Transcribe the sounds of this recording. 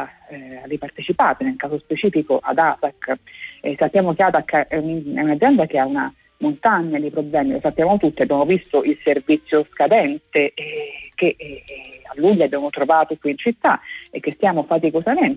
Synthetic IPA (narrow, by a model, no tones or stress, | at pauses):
aripart̪et͡ʃipaːt̪enelkaːzospet͡ʃiːfikoʔa̰d̪at̪akː | sapːjaːmokeat̪akːʔɛunɛunad̪zːjɛnd̪ak̟eauna̰ | mont̪aɲːad̪ipɾoblɛːmilosapːjaːmot̪ut̪ːiabːjaːmovist̪oʔilservit̪sːjoskad̪ɛnt̪eke | alːuʎːabːjaːmot̪ɾovaːt̪okwiint͡ʃit̪ːaek̟ːest̪jaːmofat̪ikozamen